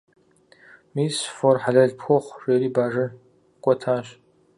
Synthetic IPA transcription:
misforħaɮaɮpʰxoχʷʂeːɾibaʐɨ | kʷʼɔtʰaʃ

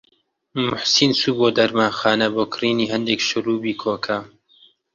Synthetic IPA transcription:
mʊħsinsuːboːd̪ɐɾmaːnxaːnɐboːkʰriːniːɦɐnd̪ekʃʊruːbiːkʰoːkʰɐ

